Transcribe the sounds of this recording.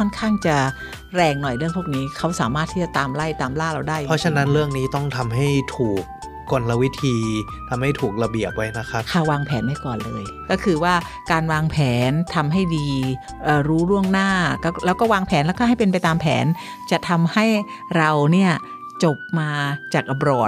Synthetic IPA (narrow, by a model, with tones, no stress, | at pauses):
kʰɔ˥˩nkʰaː˥˩ŋt͡ɕa˨˩ | ɾɛː˧ŋnɔ˨˩jɾɯ˥˩əŋpʰu˥˩k̚niː˦˥kʰa˦˥wsaː˩˦maː˥˩t̪ʰːiː˥˩t͡ɕa˨˩t̪aː˧mla˥˩jt̪aː˧mlaː˥˩ɾa˧wdaː˥˩jʰɔ˦˥t͡ɕʰa˧na˦˥nɾɯ˥˩əŋniː˦˥t̪ɔ˥˩ŋt̪ʰa˧mɦa˥˩jt̪ʰuː˨˩k̚ː | o˨˩nla˧wi˦˥t̪ʰiː˧ | t̪ʰa˧mha˥˩jt̪ʰuː˨˩k̚la˧bi˨˩əp̚wa˦˥jna˦˥kʰa˦˥p̚kʰa˥˩waː˧ŋpʰɛː˩˦nmaː˥˩jkɔː˨˩nlɤː˧j | kɔː˥˩kʰɯː˧waː˥˩ | kaː˧nwaː˧ŋpʰɛː˩˦nt̪ʰa˧mɦa˥˩jdiː˧ | ʔɤː˨˩ɾuː˦˥ɾu˥˩əŋnaː˥˩kɔ˥˩lɛː˦˥wkɔː˥˩waː˧ŋpʰɛː˩˦nlɛ˦˥kaː˥˩ɦa˥˩jpe˧npa˧jt̪aː˧mpʰɛ̰ː˩˦n | t͡ɕa˨˩t̪ʰa˧mha˥˩j | ɾa˧wni˥˩ɐ | t͡ɕo˨˩p̚maː˧t͡ɕaː˨˩k̚ʔa˧bɾɔː˨˩t̚